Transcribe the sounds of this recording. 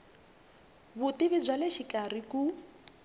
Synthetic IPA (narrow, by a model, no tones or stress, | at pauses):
βutiβid͡zʷwaleʃikʼariku